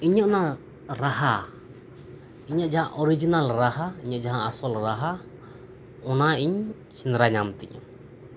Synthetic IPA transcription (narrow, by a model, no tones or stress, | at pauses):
iɲɔʔna | ɾaha | iɲaʔd͡ʒaɦãʔɔɾid͡ʒinalɾaɦaiɲəʔd͡ʒaɦãasɔlɾaɦa | ɔnaiɲ | sinɾaɲamt̪ɛ̰ɲɔ̰